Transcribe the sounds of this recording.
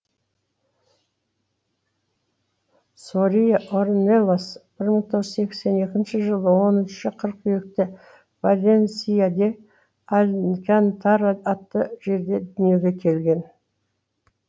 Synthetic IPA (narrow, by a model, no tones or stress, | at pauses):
soɾijaʔoɾnelˠosb̥ɪɾməɴt̪ʰo̞ʁzse̞kʲse̞ne̞kʲɪnʃɪʒəlˠəwo̞nʏʃɪqʰəɾqʰʏjek̚t̪ɪ | valʲensijad̪e̞ | alʲnkʲant̪ʰɑɾat̪ːəʒe̞ɾd̪e̞d̪ʏnje̞wɡ̪ʲe̞kʲʰe̞lɡʲe̞n